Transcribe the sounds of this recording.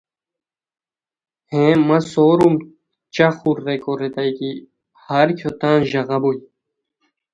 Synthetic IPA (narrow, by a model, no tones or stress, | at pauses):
hẽːmɐsoːɾum | t͡ɕɐxuɾːekoɾet̪ɐjki | hɐɾkʰjot̪aːnʑɐɣɐbuj